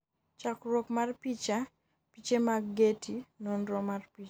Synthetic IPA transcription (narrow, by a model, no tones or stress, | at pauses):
t͡ʃakɾopmarpit͡ʃa | pit͡ʃemaɡːetʰinɔnɾɔmarpit͡ʃ